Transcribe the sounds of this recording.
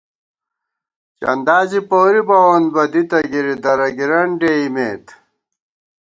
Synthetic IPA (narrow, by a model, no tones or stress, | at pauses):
t͡ɕɐ̰nd̪aːd͡ʑipoːɾibɐwɐnbɐd̪it̪ɐɡiɾid̪ɐɾɐɡiɾɐɳɖeimeːt̪